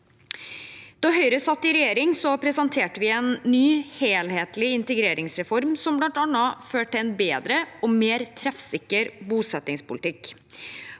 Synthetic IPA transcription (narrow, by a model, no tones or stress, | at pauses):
d̪̥ɑɦœʏɾəsɑt̪ːɪɾɛjeːɾɪŋsɔpʰɾɛsɑnt̪ʰeːʈəʋɪɛːnːyːheːlheːt̪lɪɪnt̪əɡɾeːɾʔɪŋsɾɛfɔɾmsɔmblɑnt̪ɑnɑføːʈɪɛnbeːd̪ɾəɔmeːɾt̪ʰɾɛfsɪkːəɾbuːsɛt̪ːɪŋspʊlɪt̪ɪk